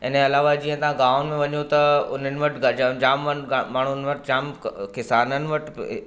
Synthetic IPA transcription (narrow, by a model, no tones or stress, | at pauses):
ɪn̤eɐlaːʋad͡ʑiːə̃t̪ɐɦãɡaːʋʊnmẽʋɐɲot̪ɐʊn̤ənɪ̆ʋɐʈʰɡɐd͡ʑad͡ʑaːmːəmaːɳ̤ʊnɪ̆ʋɐʈʰd͡ʑaːmkɪsaːnənɪ̆ʋɐʈʰ